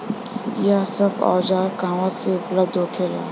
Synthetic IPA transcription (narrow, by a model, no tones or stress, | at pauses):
jasəbɔ̰ːd͡ʒakaːmãseʊpləb̚d̪ʱɦoːkʰela̰ː